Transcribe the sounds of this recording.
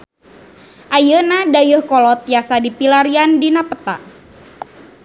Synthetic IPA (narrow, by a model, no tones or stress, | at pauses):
ʔajənadajəhkɔlɔt̪̚jasadipilaɾiandinapət̪a̰